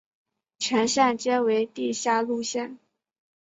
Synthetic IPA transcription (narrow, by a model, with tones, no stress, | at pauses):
t͡ɕʰɥɛ˧˥nɕja˥˩nt͡ɕjɛ˥nwe˧˥ɪt̪i˥˧ɕja˥˧lu˥˧ɕjɛ˥˩n